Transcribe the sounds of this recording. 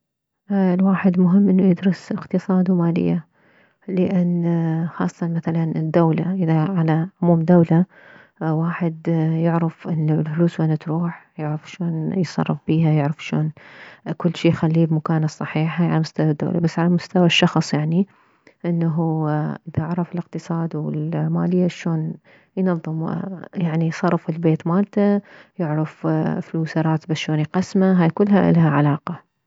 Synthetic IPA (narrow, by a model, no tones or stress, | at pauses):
lwaːħɪd̪mʊɦɪmːʔɪnːujɪd̪ɾʊsʔɪqt̪ɨsˤɑːd̪wmaːlɪ̰jːa | lɪʔɪnːxɑ̰ːsˤːɑ̥t̪ɑnmaθalanɪd̪ːawla̰ʔɪðaʕalaʕʊmuːmd̪ːawla | waːħɪd̪jɪʕɾɪfʔɪnːulfluːswanat̪ɾuːħjɪʕɾɪfʃoːnjsˤɑ̰rˤːɨfb̥iːɦajɪʕɾɪfʃoːnkʊlːʃiːjxalːiːbmʊkaːnasˤːɑħiːħajalamʊst̪awad̪ːo̰ːlʔa̰basːʕalamʊst̪awaʃːɑxsˤjaʕni | ʔɪnːaɦuʔɪðaɪʕɾˤɑfɪlɪq̚t̪ɨsˤɑːd̪wɪ̰lmaːlɪjːaʃoːn | jnɑðˤːɨmjaʕnijsˤɑrˤːɨfɪlbeːt̪maːlt̪ajɪʕɾˤɑffluːsɑɾˤɑːt̪baʃoːnjqɑsmaɦaːjkʊlːɦaʔlhaʕalɑːqɑ